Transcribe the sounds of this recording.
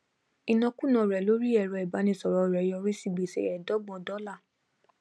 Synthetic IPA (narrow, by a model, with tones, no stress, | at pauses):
i˨nɔ̃˧kũ˦˨nã˧˨ɾɛ˨lo˨˦ɾi˦ɛ˦˨ɾɔ˧i˨ba˨˦nĩ˧sɔ˨ɾɔ˨˧˨ɾɛ˨jɔ˧ɾĩ˦si˦˨ɡ͡be˨sḛ˦ɛ˨dɔ˨˦ɡ͡bɔ̃˨˧dɔ˨˦la˦˨